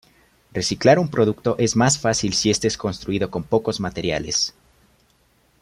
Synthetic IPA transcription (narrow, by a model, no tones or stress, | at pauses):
re̞siklaɾumpɾo̞ðukt̪o̞ʔe̞zmasfasilsie̞st̪e̞sko̞nst̪ɾuiðo̞ko̞mpo̞ko̞zmat̪e̞ɾja̰le̞s